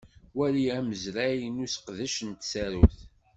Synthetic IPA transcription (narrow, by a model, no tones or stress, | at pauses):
wæliæməzɾæjənusə̥qðəʃənt̪sæɾuθ